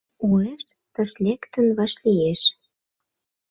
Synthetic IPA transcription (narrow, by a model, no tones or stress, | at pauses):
ueʃ | t̪ə̆ʃlʲekt̪ə̆nβɑʃlieʃ